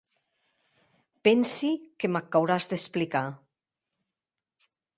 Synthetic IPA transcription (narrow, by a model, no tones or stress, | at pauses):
pɛnsikemakːawɾazd̪esplika